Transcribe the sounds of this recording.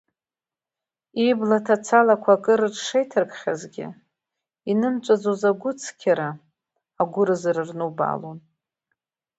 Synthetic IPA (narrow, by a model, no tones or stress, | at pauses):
iblatʰat͡sʰalakʷʰakʼɨɾɨʈ͡ʂʂejtʰɨrkʼχʲazɡʲɪ̰ | inɨmt͡ʃʷʼad͡zozaɡʷʊt͡sʰkʲʰaɾaː | ɡʷʊɾɨzrɨrnuba̰lon